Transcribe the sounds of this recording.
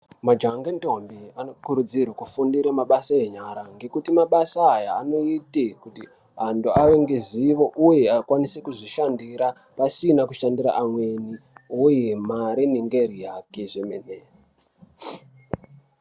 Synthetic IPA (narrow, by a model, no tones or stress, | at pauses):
mad͡ʒaŋɡento̞mbianokuɾud͡zirwakufundiɾamaɓasae̞ɲaɾaŋɡe̞kutimaɓasaːjaːno̞itikuti | ɦanduaʋe̞ŋɡe̞ziʋo̞ʔuje̞akwanisekuʐiʃandiɾa | pasinakuʃandiɾa̰ʔamwe̞niujemaɾiniŋɡe̞ɾijake̞ʐemene